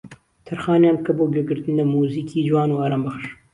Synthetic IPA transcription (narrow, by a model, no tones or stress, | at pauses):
t̪ʰɐɾxaːnjaːmkɐboːɡeɡɨɾt̪ɨnd̪ɐmuːziːkʰiːd͡ʒwaːnuːaːɾaːmbɐxʃ